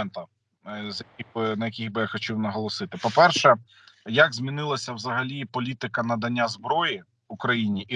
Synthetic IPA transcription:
ɛnt̪ɐ | zjɐkʲiɪnɐjɐkʲiɣbɪjaxɔt͡ʃʲiwnɐɦɔlˠɔsɪt̪ɪpɔpɛrʃɛ | jɐɡzmʲinɪlˠɐsʲɐwzɐɦɐlʲipɔlʲit̪ɪkɐnɐd̪ɐnʲːazbɾɔji | ʊkɾɐjinʲiʔ

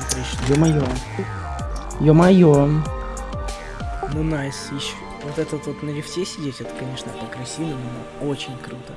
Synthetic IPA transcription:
p̪ɾʲit͡ɕ̪jomɐjo | jomɐjon | nunalʲsjɪɕovot̪ɛt̪ət̪vot̪nəɾʲɪftʲesʲɪdʲetʲɛt̪ə̥kɐnʲe̞ʂnəpəkɾɐsʲivənno̰ | ot͡ɕɪnʲkɾut̪ə

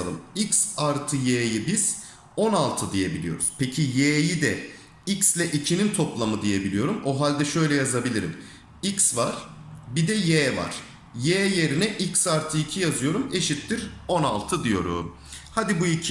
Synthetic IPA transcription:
lˠɯmiksaɾt̪ʰɯjeːjibiz̥ | o̞nalˠt̪ʰɯd̪ije̞bilʲijo̞̰ɾuz̥pʰecʰijeːjid̪ɛ | ikslʲɛʔicʰinint̪ʰo̞plˠamɯd̪ije̞bilʲijo̞ɾumo̞ɦalʲd̪ɛʃø̞jlʲɛjazabilʲiɾim | icsvaɾ̥bid̪ɛjeɛːva̰ɾ̥ | jeːjeɾinɛʔicsaɾt̪ʰɯicʰijazɯjo̞ɾume̞ʃit̪ːiɾo̞nalˠt̪ʰɯd̪ijo̞̰ɾṵ | had̪ibui

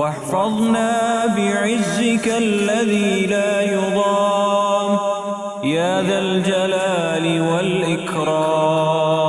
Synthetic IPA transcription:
wɑħfɑðˤnaːbɪʕɪzːɪkalːaðiːlaːjʊðˤɑːm | jaːðald͡ʒalaːlɪwalʔɪkɾˤɑː

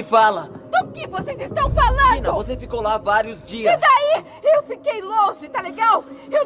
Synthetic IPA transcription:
ɪfalɐd̪ʊkɪvosejzɪst̪ɐ̃w̃falɐ̃nʊvosefikowlavaɾiʊzd͡ʒiɐsd̪ai | ewfikejloʒɪt̪aleɡawew

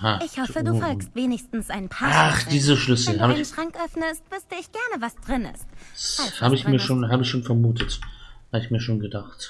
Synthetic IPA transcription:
haɪçhɔfəduːfɔlstv̥eːnɪçstn̩sʔaɪnpʰaːaχd̥iːzəʃlʏsl̩haːbəɪʃʁ̥aŋkʔœfnəstv̥ʏstəɪçɡ̥ɛɐnəvasd̥ʁɪnɪ̰stsahaːbəɪçmiːɐʃoːnɦaːbəɪçʃoːnfɛɐmuːtəthaːbəɪçmiːɐʃoːnɡədaχt

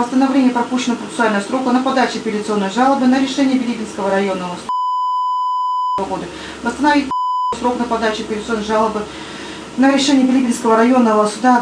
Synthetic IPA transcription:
əst̪ənɐvlʲenʲɪjəpɾɐpuɕːɪnəvəpɾət̪ɨalʲnəvəsɾo̞kənəpɐd̪at͡ɕɪɐpʲɪlʲɪt̪sɨo̞nːəjʐalˠəbɨnəɾʲɪʂɛnʲɪjəbʲɪlʲɪbʲinskəvəɾɐjo̞nːəvəs | ɐɡod̪ɨ | vəst̪ənɐvit̚ʲʊsɾo̞knəpɐd̪at͡ɕɪɐpʲɪlʲɪt̪sɨo̞nːəʐalˠəbɨ | nəɾʲɪʂɛnʲɪjəbʲɪlʲɪbʲinskəvəɾɐjo̞nːəvəsʊd̪a

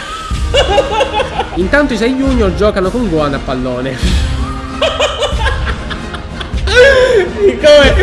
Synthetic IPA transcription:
int̪ant̪ois̬ɛjʎuɲːord͡ʒɔːkanokoŋɡwanapːalːoːne | ikomɛ

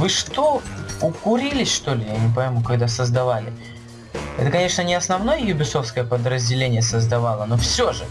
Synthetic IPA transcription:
vɨʂt̪o̞ʊkʊɾʲilʲɪsʲʂt̪o̞lʲɪjanʲɪp̬ɐmʲʊkɐɡd̪asəzd̪ɐvalʲɪ | ɛt̪əkɐnʲe̞ʂnənʲɪɐsnɐvno̞jəjʊbʲɪso̞fskəjəpəd̪ɾəzʲdʲɪlʲenʲɪjəsəzd̪ɐvalˠənofsʲoʐɨ

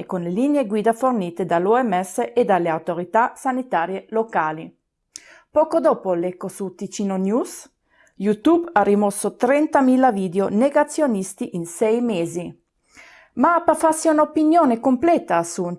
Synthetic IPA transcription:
ekonlelineɡwiːd̪aforniːt̪ed̪aloɛmɛsːeʔed̪aleawt̪oɾit̪asanit̪aːɾjelokaːli | pɔkod̪oːpolɛkːosut̪it͡ʃiːnonjus | jut̪ubarimɔsːot̪ɾɛnt̪amiːlaviːd̪eoneɡat̪sːjonist̪iʔinsɛjmeːzi | mapafasːiunopinjoːnekomplɛt̪aːsun

